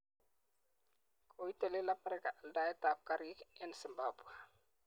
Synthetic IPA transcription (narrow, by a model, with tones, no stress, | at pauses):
kʰo˨i˦te˨le˦la˦mɛ˦ɾɪka˨ʔa˨lda˨ɛ˦ta˨p̚kaɾi˦kɛ˦nsi˨mbabwa˨